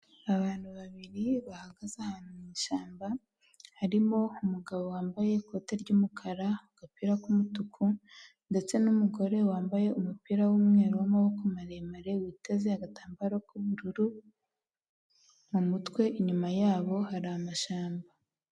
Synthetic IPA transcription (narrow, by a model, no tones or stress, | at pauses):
aβaːn̥huβaβiɾiβahaɡazahanumiːʃaːmba | haɾimo̞umuɡaβo̞waːmbaje̞ko̞ːte̞ɾɟumukʰaɾaɡ̥apiɾakumutukʰu | nde̞t͡se̞numuɡo̞ɾe̞waːmbaje̞umupiɾawumŋe̞ːɾowamawokomaɾemaɾe̞wiːtezeaɡataːmbaɾokuβuɾuɾu | mumutwe̞ʔiɲumajaːβo̞haɾaamaʃaːmba